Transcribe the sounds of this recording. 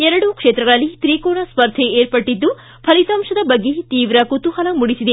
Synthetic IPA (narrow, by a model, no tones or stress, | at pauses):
ɛɾɐɽukʂeːt̪ɾɐɡɐɭɐlːit̪ɾiːkoːɳɐspɐɾd̪ʰʱeeːɾpɐʈːid̪ːu | pʰɐlisɐmʂɐd̪ɐbɐɡːet̪iːʋɾɐkut̪uhɐlɐmuɽisid̪e